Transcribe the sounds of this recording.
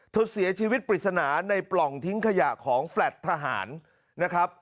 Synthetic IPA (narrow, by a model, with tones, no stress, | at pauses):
t̪ʰu˨˩t̪̚si˩˦ɐt͡ɕʰiː˧wi˦˥t̪̚pɾi˨˩t̪̚sa˧naː˩˦na˧jplɔ˨˩ŋt̪ʰi˦˥ŋkʰa˧ja˨˩ʔkʰɔː˩˦ŋflɛ˨˩t̪ʰːa˧ɦa̰ː˩˦nː | a˦˥kʰɾa˦˥p̚